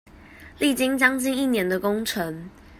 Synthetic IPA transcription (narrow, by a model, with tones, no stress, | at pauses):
li˥˨˩t͡ɕi˦ŋt͡ɕjɑ˥ŋt͡ɕi˥˧ni˥˩njɛ˨˦nd̪ə˨ko˦ŋʈ͡ʂʰə˨˦ŋ